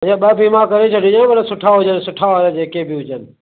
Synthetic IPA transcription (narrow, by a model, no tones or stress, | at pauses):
ãɓaːpimãːkəɾet͡ʃʰəɖid͡ʒãʋəɾsʊʈʰaːɦʊd͡ʒənsʊʈʰaʋɾẽd͡ʒeːkebɪɦʊd͡ʒənɪ